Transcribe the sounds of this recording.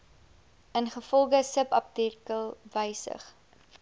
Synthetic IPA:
ənχəfɔlˠχəsəpɐp̚tirkəlˠvəjsə̰χ

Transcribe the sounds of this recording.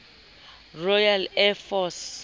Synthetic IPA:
rɔjalɛfɔs

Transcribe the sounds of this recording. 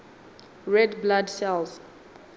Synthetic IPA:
ɹɛdbladsɛls

